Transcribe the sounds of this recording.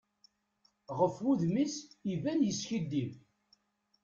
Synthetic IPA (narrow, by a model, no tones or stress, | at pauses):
ʁəfuðmisivænjəsçid̪ːim